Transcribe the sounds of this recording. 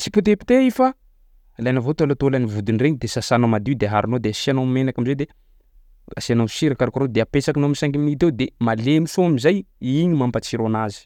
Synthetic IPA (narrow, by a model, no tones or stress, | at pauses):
t͡si̥put̪̬epi̥t̪eifa | lajnavot̪alat̪olanivud̪inreɲid̪esasanomad̪id̪eɦaɾunod̪easianomenakamized̪e | a̰siano̥siɾakaɾukuɾod̪eapesakinomisaŋɡimnit̪ewd̪emalemisoamizajiɲimambat͡siɾonazi̥